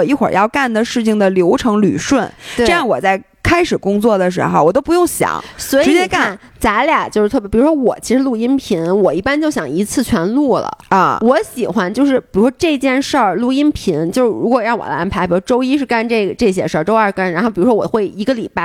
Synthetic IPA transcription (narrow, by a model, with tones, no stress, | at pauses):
i˥˩xwə̰˨˩˥jɑ˥˧ʊka˥˩nd̪ə˩ʂɻ̩˥˩t͡ɕʰi˩ŋd̪ə˩ljo˧˥ʊʈ͡ʂʰɤ˧˥ŋly̰˨˩ʂwə˥˩nwe˥ʈ͡ʂjɑ˥˩ŋwɔ˨˩t͡sa˥˩ɪ | kʰa˥ɪʂɻ̩˨˩kʊ˥ŋt͡swɔ˥˩d̪ə˩ʂ̬ɻ̩̰˧˥xo˧wɔ˨˩t̪o˥ʊpu˧˥jʊ˥˩ŋɕjɑ̰˨˩˦ŋswɔ˧˥ɻɻ̩˧˥t͡ɕjɛ˥ka˥˩nn | t͡sa˧˥ɪlja˨˩t͡ɕjo˥˧ʊʂɻ̩˥˧t̪ʰpi˨˩u˧˥wɔ˥wɔ˨˩t͡ɕʰi˧˥ʂɻ̩˧˥lu˥˩i˥npʰi˧˥nwɔ˨˩i˥˩pa˥nt͡ɕjo˥˩ʊɕjɑ˨˩ŋi˧˥t͡sʰɹ̩˥˩t͡ɕʰɥɛ˧˥nlu˥˩lə̰˩˥˧wɔ˧˥ɕi˨˩xwa˧˥nt͡ɕjo˥˧ʊʂɻ̩˥˩pi˨˩u˧˥ʂwɔ˥ʈ͡ʂɤ˥˧t͡ɕjɛ˥˧nʂə˥˩lu˥˧i˥npʰi˧˥nt͡ɕjo˥˧ʊʂɻ̩˥˩ɻu˧˥kwɔ˨˩ɻɑ˥˩ŋwɔ̰˨˩d̪ə˧a˧˥npʰa˧˥pi˨˩˧ʈ͡ʂo˥ʊi˥ʂ̬ɻ̩˥˧ka˥˧nʈ͡ʂɤ˥˩ɡə˩ʈ͡ʂɤ˥˩ɕjɛ̰˥ʂə˞˥˧˩ʈ͡ʂo˥ɐ˞˥˧ka˥nɻa˧˥nxo˥˩pi˨˩ɻu˧˥ʂwɔ˥wɔ˨˩xwe˥˩ɪi˧˥ɡə˧li˨˩pa˥˩